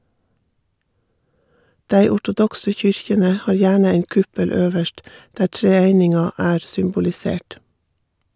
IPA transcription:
ˈdæɪ ɔʈʊˈdɔksə ˈçʏɾçənə ˈhɑːɾ ˈjæːɳə ˈæɪn ˈkʉpəl ˈøːʋəʃt ˈdæː ʈɾɛˈæɪnɪŋɑ ˈæːɾ sʏmbʊlɪˈseːʈ

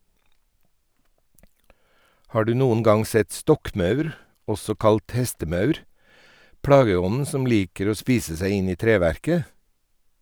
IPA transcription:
ˈhɑː ˈɖʉː ˈnuːən ˈɡɑŋ ˈsɛt ˈstɔkˌmɑʉɾ ˈɔsɔ ˈkɑlt ˈhɛstəˌmɑʉɾ ˈpɽɑːɡəˌɔnn̩ ˈsɔm ˈliːkəɾ ˈoː ˈspiːsə ˈsæɪ ˈɪn ˈiː ˈtɾeːʋæɾkə

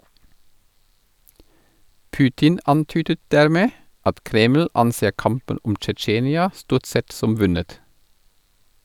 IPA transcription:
ˈpʉːtɪn ˈɑntyːdə ˈdæɾˌmeː ˈɑt ˈkɾeːml̩ ˈɑnˌseː ˈkɑmpən ˈʊm t͡ʃɛˈt͡ʃeːnɪɑ ˈstuːʁt ˈsɛt ˈsɔm ˈʋʉnət

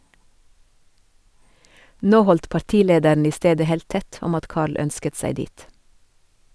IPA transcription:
ˈnoː ˈhɔlt pɑɾˈtiːˌleːdəɳ ˈiː ˈsteːdə ˈheːlt ˈtɛt ˈɔm ˈɑt ˈkɑːɭ ˈœnskət ˈsæɪ ˈdiːt

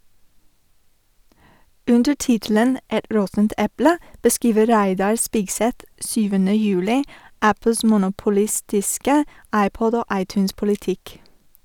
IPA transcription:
ˈʉndə ˈʈɪtl̩ən ˈɛt ˈɾɔtn̩t ˈɛplə bəˈskiːʋə ˈɾæɪdɑɹ ˈspɪɡˌsɛt ˈsyːʋənə ˈjʉːlɪ ˈʔæpəls mʊnʊpʊˈlɪstɪskə ˈɑɪˌpɔd ˈoː ˈʔɑɪˌtʉːnspʊlɪˌtɪk

